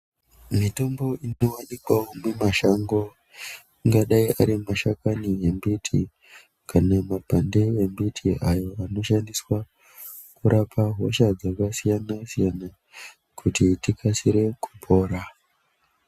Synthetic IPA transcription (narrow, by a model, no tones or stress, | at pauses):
mito̞mbo̞ʔino̞wanikwaomemaʃaŋɡo̞ | iŋɡaɗaiʔaɾimaʃakaniɦembitʰḭ | kʰanamabʱandeembitʰiʔajo̞ano̞ʃandiswa | kuɾʔapʰaɦo̞ʃad͡zakasijanasijana | kʰutitikʰasiɾe̞ku̥bʱo̞ːɾa